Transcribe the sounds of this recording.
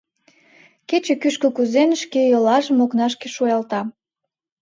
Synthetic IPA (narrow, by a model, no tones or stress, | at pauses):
ket͡ɕĕkyʃkəkuzenəʃkejolɑʒəmoknɑʃkeʃujɑlt̪ɑ